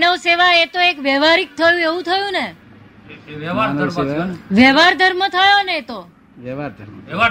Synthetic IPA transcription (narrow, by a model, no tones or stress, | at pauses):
nəʋseʋaet̪oekʋɛʋaɾik̚t̪ʰəjũeʋũt̪ʰəjũne | ansaʋɛʋaɾd̪ʱəɾmət̪ʰəjonet̪o | ʋɛʋaɾd̪ʱəɾm